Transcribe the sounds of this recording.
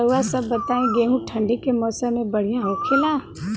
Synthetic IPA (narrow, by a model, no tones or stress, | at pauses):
əasɐbːɐt̪aːẽɡeːɦũʈʰə̃ɳɖikemɔːsamẽbɐɽ̤ijãɦoːkʰelã